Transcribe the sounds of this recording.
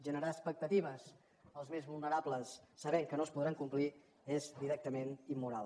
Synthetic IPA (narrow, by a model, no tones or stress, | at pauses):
ʒənəɾaːspək̚t̪ət̪iβ̞əs | əlˠzmezβulˠnəɾabləsːəβɛkənoəspuðɾaŋkumpli | ezd̪iɾɛk̚t̪əmenimːuɾalˠ